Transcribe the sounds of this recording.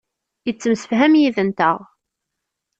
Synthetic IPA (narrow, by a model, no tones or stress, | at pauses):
jət͡sːəmsə̥fɦæmjiðənt̪əʁ